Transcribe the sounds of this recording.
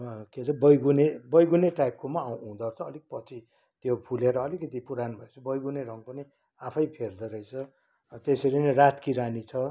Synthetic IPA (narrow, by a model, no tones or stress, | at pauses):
keɾʌbʌjɡunebʌjɡuneʈajp̚komaaw̃ɦũd̪ʌrt͡sʰʌːlik̚pʌt͡sʰi | t̪jopʰuleɾʌːlikʌt̪ipuɾanbʱʌet͡sʰʌbʌjɡuneɾʌŋpʌni | apʰʌjpʰerd̪ʌɾʌijt͡sʰʌ | t̪esʌɾinʌrat̪kiɾanit͡sʰʌ